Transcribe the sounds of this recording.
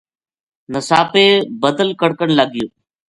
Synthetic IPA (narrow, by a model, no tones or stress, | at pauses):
nəsaːpeːbəd̪əlkəɽkəɳləɠɪjoː